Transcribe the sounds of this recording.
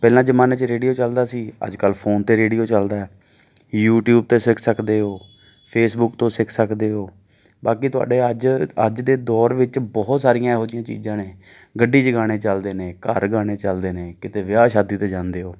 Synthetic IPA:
pɛːlãːd͡ʒəmãːneːt͡ʃɾeːɖijoːt͡ʃəld̪aːsiːə̰d͡ʒkəlpʰoːnt̪eːɾeːɖiːoːt͡ʃəld̪aːɛː | juːʈjuːb̚t̪eːsɪkʰsəkd̪eːɦoː | pʰeːsbʊkt̪õːsɪkʰsəkd̪eːɦoː | baːkiːt̪ʊa̰ːɖeːəd͡ʒəd͡ʒd̪eːd̪ɔːɾʋɪt͡ʃbɔːt̪saːɾɪjãːɛɦoːd͡ʒ̪ɪjãːt͡ʃḭːd͡ʒãːneː | ɡəɖːiːt͡ʃəɡaːɽ̃eːt͡ʃəld̪eːnẽːkəɾɡaːɽ̃eːt͡ʃəld̪eːneːkɪt̪eːʋɪjaːʃaːd̪iːt̪eːd͡ʒãːnd̪eːɦoː

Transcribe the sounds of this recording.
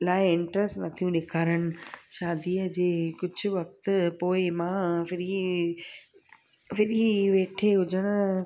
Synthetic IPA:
laːɪɪ̃ɳʈɾəstnɐt̪ʰijũɗeːkʰaːɾəɽ̃ɪ̆ʃaːd̪iːəd͡ʑeːkʊd͡ʑʱʊ̆ʋɐk̚t̪ʊ̆poːɪmãfɪɾi | fɪɾiʋeːʈʰeɦʊd͡ʑəɽ̃ʊ̆

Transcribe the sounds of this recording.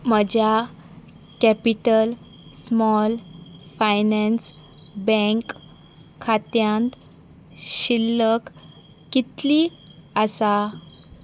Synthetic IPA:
məd͡ʑja | kɛpiʈəl | smɔlfajnɛ̃ns | bɛ̃ŋkʰː | at̪jãnt̪ | ɕilːəkː | it̪li | əsa

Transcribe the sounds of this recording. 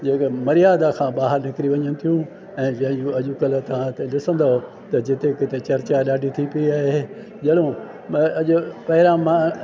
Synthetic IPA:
d͡ʑeːkmɐɾijaːd̪akʰãːɓaːɦəɾnɪkɪɾiʋɐɲənɪ̆t̪ʰijũ | ɛ̃ːd͡ʑɐ̃ɦɪ̃d͡ʑũɐʄʊkəlt̪ɐʋ̤ãt̪eɗɪsə̃nd̪aɦo | t̪ɐd͡ʑɪt̪ekɪt̪et͡ɕɐɾt͡ɕaɗaːɖʱit̪ʰipiiaːɦe | d͡ʑɐɗõ | ɐʄʊpɐɦɪɾãmã

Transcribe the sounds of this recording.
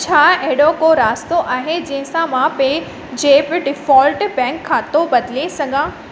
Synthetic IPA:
t͡ɕʰaːɐɦɪɽokoɾaːst̪oʔaːɦed͡ʑɐ̃ɦɪ̃sãmãpe | d͡ʑeːbɪɖɪfɔːlʈbɛ̃ːŋkʰːaːt̪obɐd̪ɪlesɐɡʱãː

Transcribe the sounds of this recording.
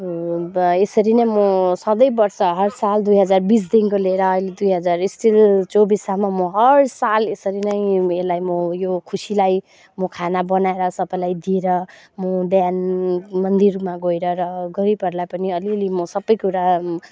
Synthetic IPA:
esʌɾinʌjmosʌd̪ʌjbʌrsʌɦʌrsald̪ujɦʌd͡zarbis̬d̪inkoleɾʌːjled̪ujɦʌd͡zarisʈilt͡sobisamamoɦʌrsalesʌɾinʌjelajmojokʰusilaj | mokʰanabʌnaeɾʌsʌbʌjlajd̪ieɾʌ | mob̪janmʌnd̪irmaɡojɾʌɾʌɡʌɾipʌɾlajpʌniʌlilemʌsʌbʌjkuɾa

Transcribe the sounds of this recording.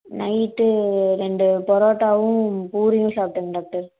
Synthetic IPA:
nɐɪʈːɯɾɛɳɖɯpɔɾoːʈːaːʋʊ̃puːɾɪjʊ̃saːp̚ʈːɐŋɡɐɖaːk̚ʈɐɾ

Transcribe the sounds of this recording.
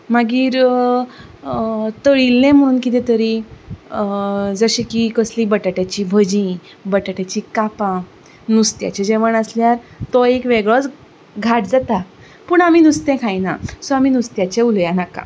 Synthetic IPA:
maɡiːɾ | t̪əɭilːẽm̤əɽ̃uːnkit̪̬ɛt̪əɾi | d͡zəɕẽkikəslibəʈaʈjat͡ɕibʱəd͡ʑĩ | bəʈaʈjat͡ɕikapã | nust̪ja̰t͡ɕed͡ʑeʋəɳəsljaɾt̪ɔekʋeɡɭɔt͡s | ɡʱaʈd͡zat̪a | puːɳamiːnust̪ɛ̃kʰajnasɔamiːnust̪jat͡ɕeuljanakã̰

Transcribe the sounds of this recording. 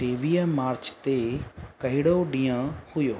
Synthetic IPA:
ʈeːʋiːəmaːɾt͡ʃt̪ekɐɦɪɽoɗĩːjə̃hʊjoː

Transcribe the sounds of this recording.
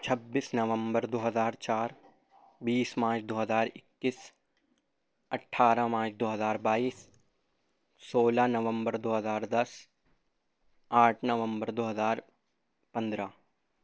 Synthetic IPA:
t͡ʃʰɐbːiːsnɐʋə̃mbəɾd̪oːɦəzaːɾt͡ʃaːɾ | biːsmaːt͡ʃʰd̪oːɦəzaːɾɪkːis | ɐʈʰːaːɾamaːt͡ʃʰd̪oːɦəzaːɾbaːiːs | oːlanɐʋə̃mbəɾd̪oːɦəzaːɾd̪ɐs | aːʈʰnɐʋə̃mbəɾd̪oːɦəzaːɾ | pɐ̃nd̪ɾa

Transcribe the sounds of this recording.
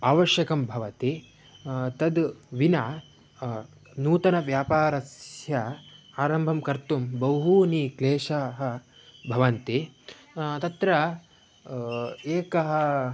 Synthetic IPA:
aːʋɐʃjɐkɐmbʱɐʋɐt̪i | t̪ɐd̪ʋinaː | nuːt̪ɐnɐʋjaːpaːɾɐsjɐaːɾɐmbʱɐmkɐɾt̪umbɐwɦunikleːʃɐɦɐ̆ | bʱɐʋɐnt̪i | t̪ɐt̪ɾɐ | eːkɐɦɐ̆

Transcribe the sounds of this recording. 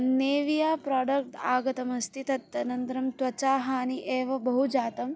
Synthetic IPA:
neːʋijaːpɾaːɖɐk̚ʈaːɡɐt̪ɐmɐst̪ʰit̪ɐt̪ːɐnɐnt̪ɾɐmt̪ʋɐt͡ʃaːɦaːniʔeːʋɐbɐɦud͡ʒaːt̪ɐm

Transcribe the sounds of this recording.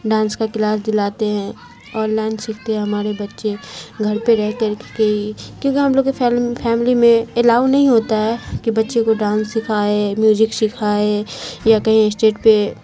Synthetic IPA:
ɖãːnskakɪlaːs̬d̪ɪlaːt̪eɦɛ̃ | ɔːnlaːɪnsɪkʰt̪eɦɛ̃ɦɐmaːɾebɐtːʃeɡʱɐɾpeɾɛɦt̪eɾkkeikjõːkiɦɐmloːɡefʰɛːmɪlimẽɪlaːʋnɐɦĩɦoːt̪aɦɛːkibɐtːʃekoɖãːnsːɪkʰaːemjuːzɪkʃɪkʰaːejakɐɦĩɪsʈeːʈpe

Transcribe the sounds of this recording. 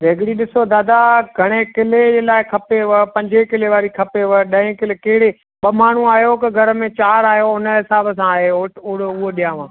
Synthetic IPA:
ɾʱeːɡɽiɗɪsod̪aːd̪aɡʱɐɽ̃ekɪled͡ʑeːlaːɪkʰɐpeʋəpɐ̃ɲd͡ʑekɪleʋaːɾikʰɐpeʋəɗɐ̃ɪ̃kɪlekɪɦɪɽe | ɓɐmaːn̤ũaːijokɐɡʱɐɾəmẽt͡ɕaːɾaːɦjoʊnəɦɪsaːbəs̬ãaːɦeoʊɽʊɦoɗijãːʋãː

